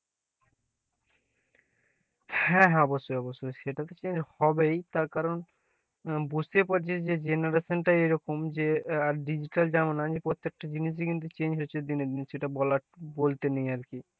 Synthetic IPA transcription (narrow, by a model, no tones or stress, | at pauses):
hɛ̃ɦɔbosoɔbosoʃeʈat̪ot͡ɕeɲd͡ʑhɔbejt̪aɾkaɾon | bud͡ʑt̪epaɾt͡ɕʰed͡ʑed͡ʑenaɾaʃonʈaejɾɔkomd͡ʑeaɾɖid͡ʑiʈald͡ʑanonad͡ʑepɾot̪ːek̚ʈad͡ʑiniʃ̬ekint̪̬ut͡ɕend͡ʑɦoːɕʰed̪ined̪inʃeʈabɔlabolt̪enejaɾki